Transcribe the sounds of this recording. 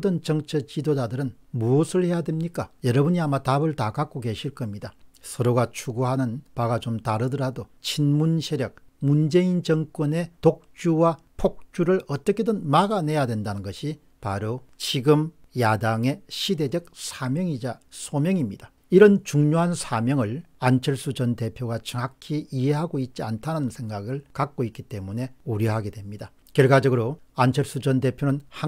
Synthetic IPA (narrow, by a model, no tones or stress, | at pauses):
dɯnt͡ɕʌŋt͡ɕʰʌt͡ɕidod͡ʑadɯɾɯn | muʌsʰɯɭhe̞jadwe̞mɲik͈ajʌɾʌbɯɲiamatabɯɭtakak͈oɡe̞ɕʰiɭk͈ʌmɲidasʰʌɾoɡat͡ɕʰuɡoɦanɯnpaɡat͡ɕomtaɾɯdɯɾadot͡ɕʰinmunɕʰeɾjʌk̚mund͡ʑe̞int͡ɕʌŋk͈wʌne̞tok̚t͡ɕuwa | pʰok̚t͡ɕ͈uɾɯɭʌt͈ʌkʰe̞dɯnmaɡane̞jadwe̞ndanɯnɡʌɕʰi | pa̰ɾot͡ɕiɡɯm | jadaŋe̞ɕʰide̞d͡ʑʌk̚sʰamjʌŋid͡ʑasʰomjʌŋimɲid̥a | iɾʌnt͡ɕuŋɲoɦansʰamjʌŋɯɭ | ant͡ɕʰʌɭs͈ud͡ʑʌnte̞pʰjoɡat͡ɕɯŋɦakʰiiɦeɦaɡoit̚t͡ɕ͈iantʰanɯnɯnsʰe̞ŋɡaɡɯɭkak̚k͈oitk͈it͈e̞mune̞oɾjʌɦaɡe̞dwe̞mɲida | kjʌɭɡad͡ʑʌɡɯɾoant͡ɕʰʌɭs͈ud͡ʑʌnde̞pʰjonɯnha